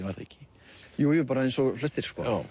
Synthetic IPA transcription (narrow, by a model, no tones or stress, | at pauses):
vaɾɛ̰cɪ̥ | juːjɛpaːɾaejnsɔflɛst̪ɪɾ̥skɔ̰